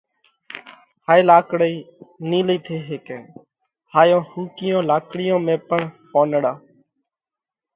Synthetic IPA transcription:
haːjlaːkɽəiːniːliːt̪ʰeːɦeːkẽː | haːjõːhũːkɪjõːlaːkɽɪjõːmẽːpəɳpoːnɽaː

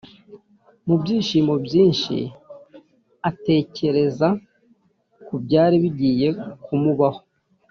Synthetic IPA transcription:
mubɟiːʃiːmo̞bɟiːnʃḭ | ate̞ːce̞ɾe̞za | kubɟaːɾiβiɟiːje̞kʰumuβaho̞̥

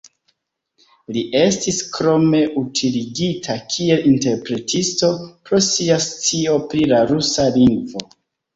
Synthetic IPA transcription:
liʔe̞stiskɾo̞me̞ʔutʰiliɡitʰakʰie̞linte̞ɾpɾe̞tʰisto̞pɾo̞siast͡sio̞pɾilaɾusaliŋɡvo̞

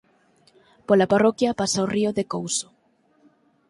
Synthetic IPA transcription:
polaparɔkjɐpasaoriʊðekowso̥

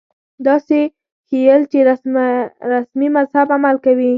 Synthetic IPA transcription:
d̪ɑse | xejəlt͡ʃeɾa | ɾasmimazhabamalkawi

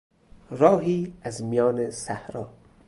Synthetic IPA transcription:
ɾɒːɦiːæzmijɒːnesæhɾɒː

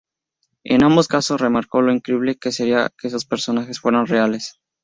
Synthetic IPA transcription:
ḛnambo̞skasosre̞maɾko̞lo̞iŋkɾeiβle̞ke̞seɾia̰keesospe̞ɾso̞naxe̞sfwe̞ɾanreale̞s

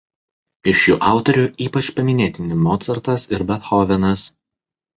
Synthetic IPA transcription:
ɪʃjuːʔɑˑʊt̪ɔɾʲʊʔiːpɐt͡ʃpɐmʲɪnʲeːt̪ʲɪnʲɪmɔːt̪sɐɾt̪ɐsɪɾbʲɛt̪xɔʋʲɛnɐs

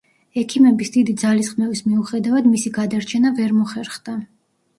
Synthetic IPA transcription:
ɛkʰimɛbisd̪id̪id̪zalisχmɛvismiuχɛd̪avad̪misiɡad̪aɾt͡ʃʰɛnavɛɾmɔχɛɾχd̪̥a

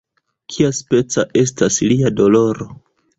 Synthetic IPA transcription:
kʰiaspe̞t͡saʔe̞s̬tasliado̞lo̞ɾo̞

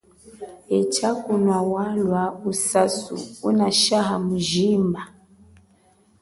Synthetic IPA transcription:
ɛt͡ʃakunwawalwausasṵunaʃaɦamuʒimba

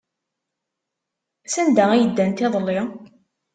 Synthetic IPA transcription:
sænd̪ææjəd̪ːænt̪ɪðˤlːɪ

